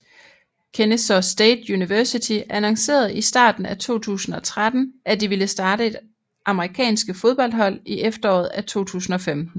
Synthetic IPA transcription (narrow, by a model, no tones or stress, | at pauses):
kʰenesɒsd̥eːd̥juniʋæɐsit͡sʰiʔænɑŋse̝̰ːɐð̞̩ˠisd̥ɑ̰̈ːd̥n̩æt͡sʰo̝̰ːt͡sʰṵːsn̩ɒ̽t͡sʰʁad̥n̩ʔæd̥iʋeləsd̥ɑ̈ːɾəe̝d̥ | ʔɑ̈məʁikʰɛ̰ːnsɡ̥əfo̝ð̞ˠb̥ɒ̽l̰d̥ɦhɒ̽l̰iʔefd̥ɐɒ̰ːð̩ˠæt͡sʰo̝̰ːt͡sʰṵːsn̩ɒ̽femd̥n̩